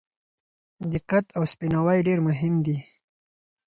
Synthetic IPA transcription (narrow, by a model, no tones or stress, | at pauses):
d̪ɪqat̪awspinawajɖeɾmʊɦɪmd̪i